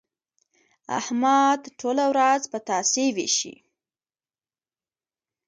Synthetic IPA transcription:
a̰hmad̪ʈʰolawɾazpət̪ɑsewḛʃḭ

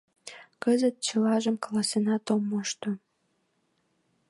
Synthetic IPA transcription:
kəzət̪̚t͡ɕəlɑʒəmkɑlɑsenɑt̪omːoʃt̪o

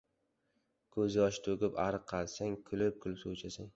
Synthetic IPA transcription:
kʰɵzɪɒʃɪ̥t̪ʰoɡʲɪpaɾqʰːɑlsaŋkʰʊlɪp̚kʰʊlsowt͡ʃʰasaŋ

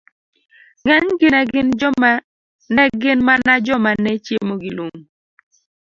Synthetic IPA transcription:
ŋɛɲɡɪnɛɡɪnd͡ʒɔma | nɛɡɪnmanad͡ʒɔmanɛt͡ʃjemoɡɪloŋ

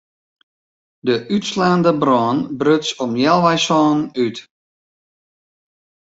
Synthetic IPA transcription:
dəʔytslaːndəbrɔːnbrøtsɔmjɛlˠʋɛjsɔːnyt

